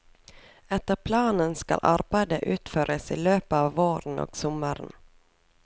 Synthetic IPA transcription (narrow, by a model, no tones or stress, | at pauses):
ɛt̪əɾpʰlɑːnənskɑ̰lʔɑ̰ɾbæɪd̪əʔʉːt̪føːɾʔəsḭːløːpəɑːʋoːɾən̩o̰ːɡ̥sɔməɾn̩